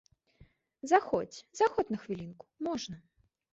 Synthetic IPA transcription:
zaxɔt͡sʲzaxɔt̪nɐxvʲilʲinku̥mɔʐnɐ

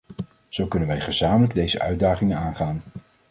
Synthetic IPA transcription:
z̥owkɵnənʋɛjχəzaːmələɡ̚dejzəʔœ̰ɥdaːχɪŋənaːnχaːn

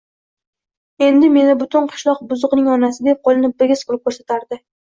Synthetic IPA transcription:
e̞nd̪ɪme̞nɪbʊt̪ɪnqʰɨ̥ʃlˠɒqbʊzʊqnɪŋɒnasɪd̪ep̚qʰɒlˠɪnɪp̚bɪɡʲɪskʰʊɾɪp̚kʰʲoɾsat̪ʰaɾd̪ɪ

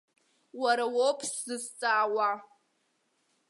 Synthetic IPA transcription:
waɾawopʰʼszɨst͡sʼaːwa

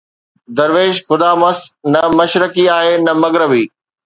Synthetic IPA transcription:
d̪ɐɾʋeːʃxʊd̪aːmɐsnɐmɐʃɾəkiaːɦenɐmɐɡɾəbiː

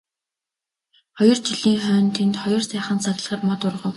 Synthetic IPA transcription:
χɔjɞ̆rt͡ɕiɮiːŋχœːnt̪ʰent̪χɔjɞ̆rsæːχə̆nt͡saɣ̆ɮ̆ʁə̆rmɔt̪ʊrʁə̆w

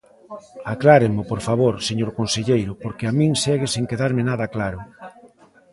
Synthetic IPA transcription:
aklaɾɪmopoɾfaβoɾseɲoɾkonseʎejɾʊpoɾkɪamĩŋsɛɣeseŋkeðaɾmɪnaðɐklaɾʊ

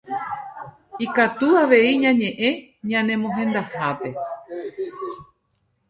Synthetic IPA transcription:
ikat̪uaʋe̞iɲãɲẽ̞ʔẽ̞ɲãnẽ̞mõɦẽ̞nd̪ahape̞

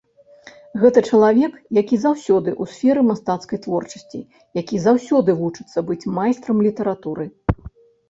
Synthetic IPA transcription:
ɣɛt̪ɐt͡ʂɐlˠavʲɛkjakʲizawsʲɔd̪ɨʔusʲfʲɛɾɨmast̪at̪skɐjt̪vɔrt͡ʂɐ̥sʲt͡sʲḭ | jakʲizawsʲɔd̪ɨvut͡ʂɨ̥t̪sːɐbɨt͡sʲmajst̪ɾɐmlʲit̪ɛɾat̪uɾɨ

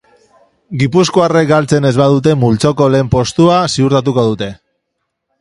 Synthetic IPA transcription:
ɡipuskoare̞k̚ɡalt͡se̞ne̞zβað̞ut̪̬e̞mult͡so̞ko̞le̞ːmpo̞st̪uasiuɾt̪at̪uko̞ð̞ut̪e̞

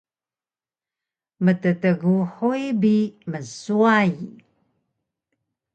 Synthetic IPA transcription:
mətətəɣuħujbiməsuaj

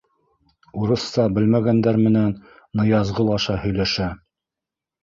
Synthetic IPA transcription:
uɾɤ̆sːɑbɘlmæɡænd̪æɾmɘ̆nænː | ɤ̆jɑzʁɤlˠɑʃɑhɵ̆jlæʃæ

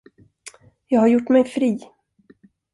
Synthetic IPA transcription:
jɑːɡhaɾjʊʈːmɛjfɾiː

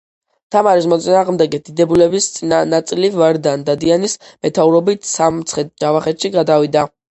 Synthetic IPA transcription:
t̪ʰamaɾismɔt̪sʼinaːʁmd̪ɛɡɛd̪̥id̪ɛbulɛbist̪sʼinat̪sʼilivaɾd̪and̪ad̪ianismɛt̪ʰauɾɔbit̪ʰsamt̪sʰχɛt̪̚d͡ʒavaχɛt̪ʃiɡad̪avid̪a

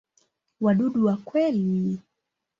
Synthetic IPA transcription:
waɗuɗuwakwɛli

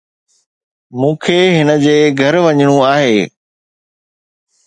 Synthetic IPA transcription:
mũːkʰeːɦɪnə̆d͡ʑeːɡʱɐɾʋɐɲɽ̃ũaːɦeː

